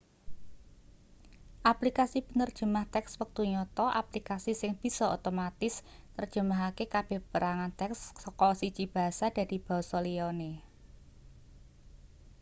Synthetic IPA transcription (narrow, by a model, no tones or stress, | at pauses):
ʔaplikasipənərd̥ʒ̥ə̤maht̪ɛkswək̚t̪uɲɔt̪ɔʔaplikasisɪŋb̥i̤sɔot̪omat̪ɪsnərd̥ʒ̥ə̤maɦakekab̥e̤hpəɾaŋant̪ɛksɔkɔsit͡ʃib̥a̤ɦasad̥a̤di̤b̥ɔ̤sɔliɔne